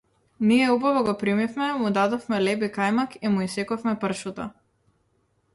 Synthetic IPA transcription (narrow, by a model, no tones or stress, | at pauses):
niɛubavɔɡɔpɾimifmɛmud̪ad̪ɔfmɛlɛbikajmakimuisɛkɔfmɛpr̩ʃut̪a